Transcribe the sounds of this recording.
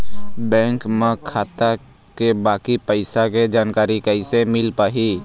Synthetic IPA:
bɛ̃ːŋkmẽkʰaːt̪a | kebaːkipəɪsaked͡ʒaːnkaːɾikəɪsemɪlpaːɦiː

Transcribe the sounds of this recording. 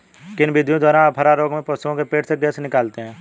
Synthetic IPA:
kɪnbɪd̪ʱjõd̪waːɾãːpɦəɾaːɾoːɡmẽpəsuõkepeːʈseɡeːsnɪkaːlt̪eɦɛ̃ː

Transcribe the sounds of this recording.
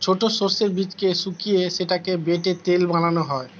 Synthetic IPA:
t͡ɕʰoʈosoɾseɾbit͡ɕkesukijeʃeʈakebeʈet̪elbananoɦɔe

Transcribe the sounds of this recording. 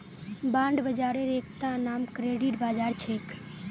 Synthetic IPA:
bãːɳɖbəd͡ʒaːɾeɾeːkʰt̪ãnaːmkɾeːɖiʈbaːd͡ʒaːɾt͡ʃʰeːk

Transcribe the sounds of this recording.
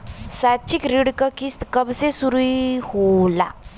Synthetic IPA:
saːt͡ʃɪkɾɪɽkakist̪kɐbsesuɾuihola̰

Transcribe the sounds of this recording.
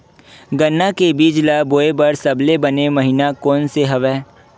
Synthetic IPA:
ɡɐnːakebiːd͡ʒlaboːebɐɾsɐblebɐnemɐɦinakɔːnseɦɐʋɛː

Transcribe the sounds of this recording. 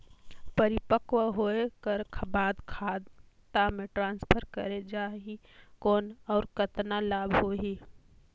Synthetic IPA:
pəɾɪpəkwɦoekəɾbaːd̪kʰaːd̪ | t̪amẽʈɾãːnspʰəɾkəɾed͡ʒaːɦi | kɔːnɔːɾkət̪nalaːbɦoɦi

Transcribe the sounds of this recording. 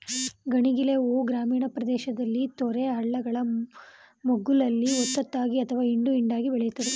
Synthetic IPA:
ɡɐɳiɡileoːɡɾaːmiːɳɐpɾɐd̪ɛːʃɐd̪ɐlːit̪ɔɾeɦɐɭːɐɡɐɭɐ | moɡulɐlːiɔt̪ːɐt̪ːaːɡiɐt̪ʰɐʋaːiɳɖuiɳɖaːɡibɛɭɛjut̪ːɐd̪e

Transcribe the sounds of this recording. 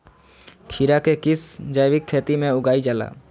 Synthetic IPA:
kʰiɾakekɪsd͡ʒajbikʰːeːt̪imẽʊɡaːid͡ʒaːla̰

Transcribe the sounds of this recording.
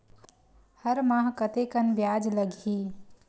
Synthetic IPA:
həɾmãɦkət̪ekənbjad͡ʒləɡʱi

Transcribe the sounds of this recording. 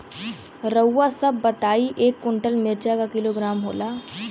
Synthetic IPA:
ɾəwːasɐbːɐt̪aːiʔeːkːʊɳʈəlmɪɾt͡ʃakakɪloːɡɾaːmɦoːlaː

